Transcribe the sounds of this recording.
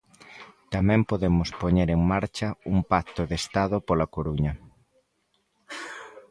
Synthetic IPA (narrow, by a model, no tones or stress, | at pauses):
t̪amɛ̃mpoðemʊspoɲeɾeŋmaɾt͡ʃɐuŋpak̚t̪oðest̪aðʊpolɐkoɾuɲɐ